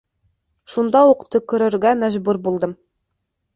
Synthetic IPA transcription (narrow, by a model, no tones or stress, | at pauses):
ʃund̪ɑuqt̪ɤkɵ̆ɾɘ̆ɾɡæmæʒbʉɾbulˠd̪ɤm